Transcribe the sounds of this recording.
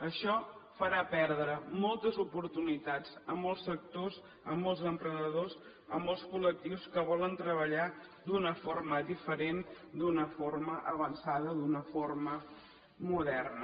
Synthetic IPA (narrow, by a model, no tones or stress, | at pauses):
əʃɔfəɾapɛɾð̞ɾəmɔlˠt̪əzupuɾt̪unit̪ad͡zəmɔlˠsːək̚t̪oz | əmːɔlˠzəmpɾənəðoz | əmːɔlˠskulək̚t̪iwskəβɔlənt̪ɾəβ̞əʎa | d̪unəfoɾməðifəɾen | d̪unəforməʔəβənsaðəðunəformə | muðɛrnə